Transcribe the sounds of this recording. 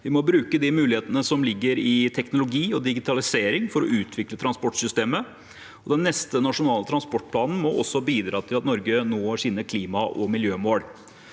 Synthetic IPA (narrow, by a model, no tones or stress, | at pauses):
ʋɪmɔbɾʉːkəd̪ɪmʉːlɪeːt̪ənəsɔmlɪɡːəɾɪt̪ʰɛknʊlʊɡiːɔd̪ɪɡɪt̪ʰɑlɪseːɾɪŋfɔɾɔ̰ʉːt̪ʰʋɪklət̪ʰɾɑnspɔʈsʏst̪eːmə | ɔd̪ɛnːɛst̪ənɑʂʊnɑːlət̪ʰɾɑnspɔʈ̚ːpʰlɑːnn̩mɔʔɔ̰sːɔbiːd̪ɾɑːt̪ʰɪlɑt̪nɔɾɡənoːɑʂɪnːəkʰliːmɑʔɔmɪljøːmoːl